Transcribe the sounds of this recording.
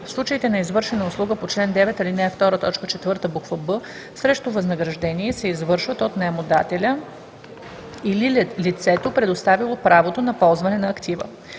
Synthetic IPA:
fslˠut͡ʃəit̪ɛnɐizvɤɾʃɛnəʊslˠuɡəpot͡ʃlɛnd̪ɛvɛt̪ɐlinɛft̪ɔɾət̪ɔt͡ʃkət͡ʃɛt̪vɤɾt̪əbukvəbɤ | sɾɛʃt̪ovɐznəɡɾɐʒd̪ɛniɛsɛizvɤɾʃvət̪ot̪nɛmod̪at̪ɛlʲə | ililit̪sɛt̪opɾɛd̪ost̪avilˠopɾavot̪onɐpɔlˠzvɐnɛnɐːkt̪ivə̰

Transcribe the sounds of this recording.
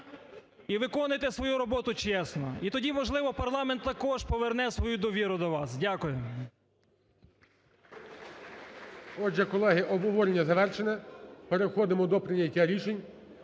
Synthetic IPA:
iʋɪkɔnɪjt̪esʋɔjuɾɔbɔt̪ʊt͡ʃɛsnɔ̰it̪ɔdʲimɔʒlˠɪʋɔpɐrlˠɑment̪ːɐkɔʒpɔʋernɛsʋɔjud̪ɔʋʲiɾʊd̪ɔʋɑsdʲakʊjʊ | ɔd͡ʒɛkɔlˠɛɦɪʔɔbɦɔʋɔɾʲnʲɐzɐʋɛrʃenʲɛpeɾexɔd̪ɪmɔd̪ɔpɾɪnʲɐtʲːaɾʲiʃenʲ

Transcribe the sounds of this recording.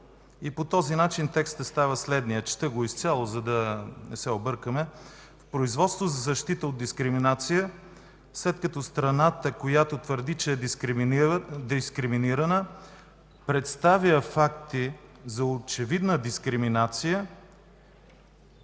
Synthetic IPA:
ipot̪ɔzinat͡ʃint̪ɛkst̪əst̪avəslɛd̪nijət͡ʃt̪əɡoist̪sʲjalˠozɐd̪ɐnɛsɛobɤɾkəmɛ | fpɾoizvɔt̪st̪vozɐzɐʃt̪it̪əod̪̚d̪iskɾiminat̪sijə | slɛt̪kɐt̪ɔst̪ɾɐnat̪əkojat̪ot̪vəɾd̪it͡ʃɛː | d̪iskɾiminiɾənə | pɾɛt̪st̪aviəfak̚t̪izɐot͡ʃɛvid̪nəd̪iskɾiminat̪sijə

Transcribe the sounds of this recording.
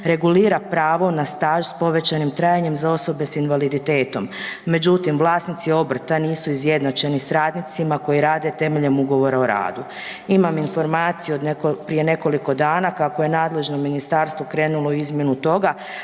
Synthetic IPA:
ɾe̞ɡuliːɾapɾaːʋo̞nast̪aːʒspo̞ʋe̞t͡ɕanimt̪ɾajaɲe̞mzao̞so̞be̞sinʋalid̪it̪e̞ːt̪o̞mːe̞d͡ʒut̪imʋlˠaːsnit̪sio̞br̩t̪aniːsuizje̞d̪nat͡ʃe̞nisɾaːd̪nit̪simako̞jiɾaːd̪e̞t̪e̞meʎemuɡo̞ʋo̞ɾaoɾa̰ːd̪u | imaminfo̞ɾmaːt̪sijuod̪nekopɾije̞ne̞ko̞liko̞d̪aːnakakoje̞naːd̪le̞ʒnomːinist̪aɾst̪ʋokɾe̞ːnulo̞izmje̞nut̪o̞ɡa

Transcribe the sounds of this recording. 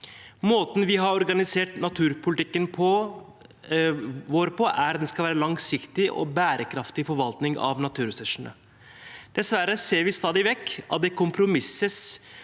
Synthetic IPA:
moːt̪n̩ʋɪɦɑɾɔɾɡɑnɪseːʈnɑt̪ʰʉːɾpʰʊlɪt̪ɪkːənpʰɔ | ʋoːɾpʰɔʔæɾd̪ɛnskɑlʋæːɾəlɑŋsɪkt̪ɪʔɔ̰bæːɾəkʰɾɑft̪ɪfɔɾʋɑlt̪nɪŋɑ̰ʋnɑt̪ʰʉːɾɛsʉʂənə̰ | d̪̥ɛsʋæɾəseːɾʋɪst̪ɑːd̪ɪʋɛkːʔɑ̰t̪̚d̪ɛkʊmpʰɾʊmɪsːəs

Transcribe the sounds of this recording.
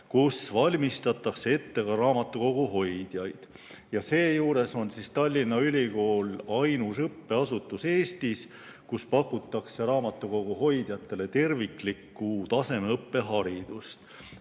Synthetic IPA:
kusvɑlʲmist̪ɑt̪ːˑɑksee̞t̪ːe̞kɑɾɑːmɑt̪ːˑuko̞ɡ̥uɦo̞jd̪̥jɑjd̪̥ | jɑse̞ːjuːɾe̞so̞nsist̪ɑlʲːinːɑylʲiko̞ːlɑjnusɤpːe̞ɑsut̪ːˑuse̞ːst̪is | kuspɑkːˑut̪ːˑɑkseɾɑːmɑt̪ːˑuko̞ɡ̥uɦo̞jd̪̥jɑt̪ːˑe̞le̞t̪e̞rvikˑlikːˑut̪ɑse̞meɤpːe̞ɦɑɾid̪̥ust̪

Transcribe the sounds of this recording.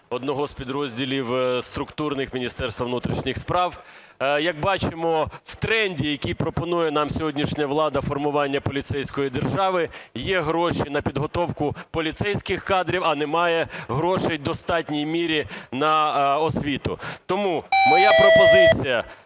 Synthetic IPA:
ɔd̪nɔɦɔspʲid̪ɾɔzʲdʲilʲiwst̪ɾʊkt̪urnɪxmʲinʲist̪ɛrst̪ʋɐʋnut̪ɾʲiʃnʲɪxspɾɑw | jɐk̚bɑt͡ʃɪmɔwt̪ɾɛnʲdʲijɐkʲijpɾɔpɔnujɛn̪ɑmsʲɔɦɔdʲnʲiʃnʲɐʋlˠɑd̪ɐfɔrmʊʋɑnʲːɐpɔlʲit̪sɛjsʲkɔjid̪erʒɑʋɪjɛɦɾɔʃinɐpʲid̪ɦɔt̪ɔwkʊpɔlʲit̪sɛjsʲkɪxkɑd̪ɾʲiwɐnɛmɑjɛɦɾɔʃejd̪ɔst̪ɑtʲnʲijmʲiɾʲinɐɔsʲʋʲit̪ʊ̰t̪ɔmumɔjapɾɔpɔzɪt͡sʲijɐ

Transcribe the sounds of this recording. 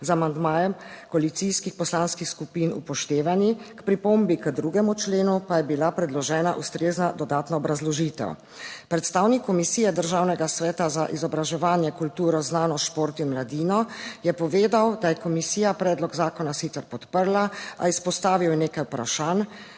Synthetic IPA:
zamand̪maːjɛmkɔalit̪siskixpɔslanskixskupiːnṵpɔʃt̪eːʋanikpɾipombikəd̪ɾuɡɛmut͡ʃleːnupajɛbilapɾɛd̪lɔʒɛːna̰ʔust̪ɾeːznad̪ɔd̪aːt̪naɔbɾazlɔʒiːt̪ɛ̰w | pɾɛt̪st̪aːwnikːɔmisiːjɛd̪əɾʒaːwnɛɡasʋɛːt̪azaʔizɔbɾaʒɛʋaːnjɛkult̪uːɾɔznaːnɔʃpoːɾt̪imlad̪iːnɔjɛpɔʋeːd̪awd̪ajɛkɔmisiːjapɾɛːd̪lɔɡzaːkɔnasxit̪ɛɾpɔt̪pəɾlaa̰ispɔst̪aːʋiwɛneːkajpɾa̰ʃan

